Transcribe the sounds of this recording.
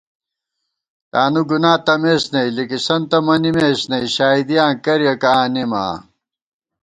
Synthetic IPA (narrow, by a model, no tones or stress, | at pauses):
t̪aːnuɡunaːt̪ɐmeːsnɐilikisɐnt̪ɐmɐnimeːsnɐiɕaːid̪ijãːŋkɐɾjɐkaːnima̰ː